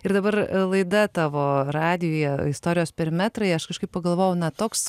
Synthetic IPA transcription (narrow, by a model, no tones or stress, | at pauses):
ɪɾd̪ɐbɐrlˠɐɪd̪ɐt̪ɑːʋoːrɑːd̪ʲɪjoːjɛɪst̪oːɾʲɪjoːspʲɛɾʲɪmʲæt̪ɾɐɪɐʃkɐʃkɐɪp̚pɐɡɐlˠʋoːjɛʊnɐt̪oːks